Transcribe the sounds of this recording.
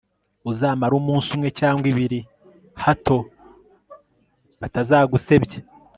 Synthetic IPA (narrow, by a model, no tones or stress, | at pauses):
uzaːmaɾuːmuːnsumŋe̞caːŋɡwiβiɾi | hatʰo̞ | βatazaːɡuse̞bɟe